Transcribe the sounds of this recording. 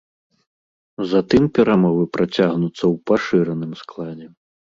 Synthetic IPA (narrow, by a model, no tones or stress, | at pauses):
zat̪ɨmpʲɛɾamɔvɨpɾʔat͡sʲaɣnut̪sːɐwpaʂɨɾɐnɨmsklˠad͡zʲɛ